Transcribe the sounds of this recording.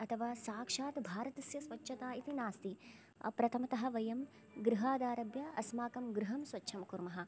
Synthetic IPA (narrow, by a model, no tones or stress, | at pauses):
ɐt̪ʰɐʋaːsaːkʂaːt̪bʱaːɾɐt̪ɐsjɐsʋɐt͡ʃːʃʰɐt̪aːit̪inaːst̪ḭ | pɾɐt̪ʰɐmɐt̪ɐɦɐ̆ʋɐjɐm | ɡɾuɦaːd̪aːɾɐbjɐɐsmaːkɐmɡɾuɦɐmsʋɐtːʃʰɐmkuɾmɐɦɐ̆